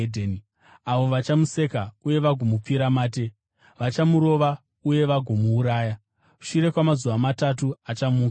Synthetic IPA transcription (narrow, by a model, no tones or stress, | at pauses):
dʱen | aʋo̞ʋat͡ʃamuse̞kauje̞ʋaɡʱo̞mup͡fiɾamaːt̬e̞ | ʋat͡ʃamuɾo̞ʋa | uje̞ʋaɡʱo̞muːɾaːja | ku̥ʃuɾe̞kwamazuʋamatatuat͡ʃamuː